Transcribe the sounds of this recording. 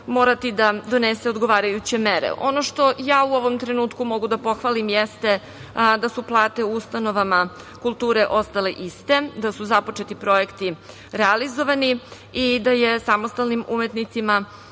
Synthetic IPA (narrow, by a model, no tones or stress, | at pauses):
mo̞ːɾat̪id̪ad̪o̞nese̞od̪ɡoʋaːɾajut͡ɕe̞meɾḛʔo̞no̞ʃt̪o̞jaːuo̞ʋo̞mt̪ɾenuːt̪kumo̞ɡud̪apo̞xʋalimjest̪e̞ | d̪asuplˠaːt̪e̞uust̪ano̞ʋama | kulˠt̪uːɾeʔo̞st̪aleʔist̪e̞d̪asuzapo̞t͡ʃet̪ipɾo̞ekt̪i | ɾealizo̞ʋani | id̪ajesamost̪alnimumet̪nit̪sima